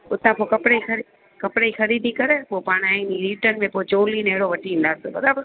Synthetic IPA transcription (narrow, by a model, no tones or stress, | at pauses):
ʊt̪ãpoːkɐpɽeixɐɾi | kɐpɪɽeixɐɾiːd̪ʱikɐɾepoːpaːɽ̃aːĩnĩɾiːʈən̆mẽpoːit͡ɕoːlineɦɽoʋɐʈʰiĩːn̆d̪aːsebɐd̪aːb